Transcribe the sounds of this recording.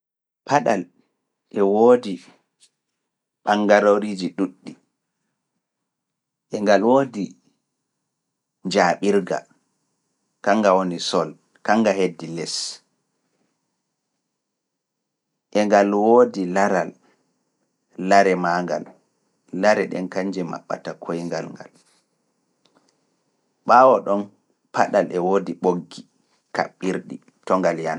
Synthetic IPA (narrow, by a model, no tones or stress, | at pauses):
pʰaɗal | ʔɛwoːdi | ɓaŋɡaɾoɾid͡ʒiɗuɗːi | ʔɛŋɡalwoːdi | ɲd͡ʒaːɓiɾɡa̰ | kaŋɡawonisɔl | kaŋɡahedːilɛs | ʔɛŋɡalwoːdilaɾal | aɾɛmaŋɡa̰lː | aɾɛɗɛ̰nkaɲd͡ʒɛma̰ɓːa̰takʰojŋɡalŋɡa̰l | ɓaːwɔɗɔn | paɗalɛwoːdiɓoɡːi | ka̰ɓːiɾɗi | tɔŋɡaljana